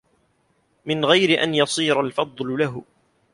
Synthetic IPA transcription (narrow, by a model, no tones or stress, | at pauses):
mɪnɣajɾɪʔa̰njɑsˤiːɾalfɑd̪ˤllaɦʊ